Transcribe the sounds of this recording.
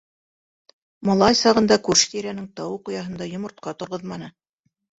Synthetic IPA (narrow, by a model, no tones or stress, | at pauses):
mɑlˠɑjsɑʁɤ̆nd̪ɑkʉɾʃt̪iɾænɘŋt̪ɑwɤqŏjɑɦɤ̆nd̪ɑjŏmŏɾt̪̚qɑt̪ŏɾʁɤ̆ðmɑnɤ